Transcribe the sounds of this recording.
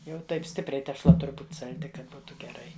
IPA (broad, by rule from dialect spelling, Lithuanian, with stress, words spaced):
jɛʊ ˈtɐɪp ˈsʲtʲɪpʲrʲɛɪ tʲɛʃˈlˠɐ ˈtʊrʲ ˈbuːtʲ sɐlʲˈdʲɪ ˈkɐt ˈbuːtʊ ɡʲɛˈrɐɪ